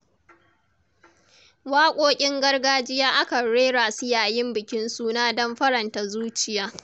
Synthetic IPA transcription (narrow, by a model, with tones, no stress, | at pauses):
waː˦kʷʼoː˦kʲʼɪ˦ŋɡɐ˦rɡaː˦d͡ʒɪ˦jaː˦ʔa˦kɐ˨ɽeː˦ɾaː˨sɪ˦jaː˨jɪ˦mbɪ˨kʲɪ˦nsuː˦naː˦dɔ˦mɸɐ˦ɽɐ˨nta˨zuː˦t͡ʃɪ˨jaː˦